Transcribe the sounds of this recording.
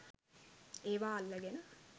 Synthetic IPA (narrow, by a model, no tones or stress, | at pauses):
eːʋaːlːəɡenə